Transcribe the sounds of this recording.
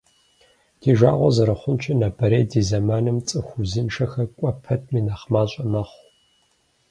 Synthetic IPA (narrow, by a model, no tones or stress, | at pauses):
tʰeːʒʷa̰ːʁʷɔzɐɾɐχʷʊnt͡ʃʰɪnabɐɾeːdiːzɐmaːnɨmt͡sʼɨxʷʊzɨnʂɐxɐkʷʼɔpʰɐtʰmiːnaːχmaːɕʼɐmɐχʷ